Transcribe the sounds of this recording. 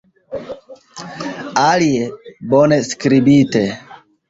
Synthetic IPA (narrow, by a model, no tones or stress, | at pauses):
aliebɔneskɾibite